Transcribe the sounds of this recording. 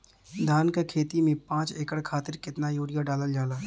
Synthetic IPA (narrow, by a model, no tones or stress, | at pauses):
d̪ʱaːnkakʰeːt̪imẽpãːt͡ʃeːkəɽkʰaːt̪ɪɾkɪt̪najoːɽijaɖaːləld͡ʒaːlaː